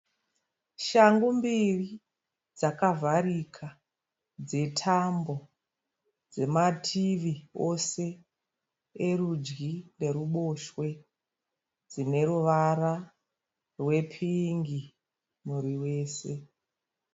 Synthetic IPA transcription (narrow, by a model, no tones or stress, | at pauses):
ʃaŋɡumbiri | d͡zakavaɾikʰa | d͡ze̞tʰambo̞ | d͡ze̞matʰiʋio̞se̞ | erud͡ʒɡine̞ɾuɓo̞ʃwe̞ | d͡zine̞ruʋara | rwe̞pʰiŋɡi | muɾiwe̞ːse̞